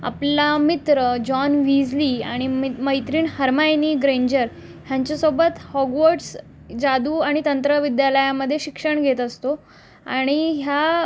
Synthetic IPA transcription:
a̰plamit̪ɾəd͡ʑɔnʋid͡zlia̰ɽ̃iməjt̪ɾiːnhəɾmajniːɡɾeɲd͡ʑəɾ | ɦjaɲt͡ɕasobət̪hɔɡʋəʈs | d͡zad̪uːaɽ̃it̪ənt̪ɾəʋid̪jaləjaməd̪ʱːjeɕikʂəɳɡʱet̪əst̪o | a̰ɽ̃iɦja

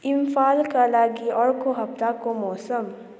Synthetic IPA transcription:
ɪmfaːlkalaːɡiɔːɽkoɦɐpt̪akomɔːsəm

